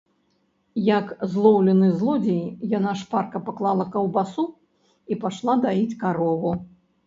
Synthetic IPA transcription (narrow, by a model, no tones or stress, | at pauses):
jɐkzlˠɔwlʲɛnɨzlˠɔd͡zʲɛjjanaʂparkɐpaklˠalˠɐkɐwbasu | ipaʂlˠad̪ait͡sʲkaɾɔvu